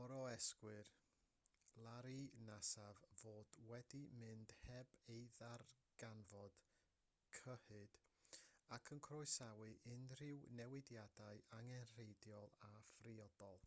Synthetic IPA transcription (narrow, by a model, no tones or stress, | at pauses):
ɔɾɔɛskwɨr | lˠaɾinasavvoːdwɛdimɨnd̥hɛbejðarɡ̥anvɔd̥ | kʰəhɨd̥ | akʰənkʰrɔɨsawɨʔɪnr̥ɪwnɛwɪdjadaɨaŋɛnr̥ejdjɔlˠafriɔdɔlˠ